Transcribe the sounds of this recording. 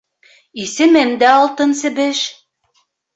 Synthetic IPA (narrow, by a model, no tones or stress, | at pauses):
isɘ̆mɘmd̪æɑlˠt̪ɤnsɘ̆bɘʃ